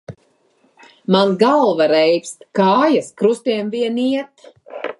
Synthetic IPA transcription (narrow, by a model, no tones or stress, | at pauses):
manzɡalˠvaɾɛjpʲst̪kaːjaskɾust̪iɛmviɛniɛt̪